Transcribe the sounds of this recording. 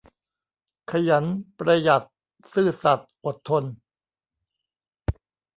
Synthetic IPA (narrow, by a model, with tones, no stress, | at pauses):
kʰa˧ja˩˦npɾa˧ja˨˩t̪̚ | sɯː˥˩sa˨˩t̪̚ʔo˨˩t̪ʰːo˧n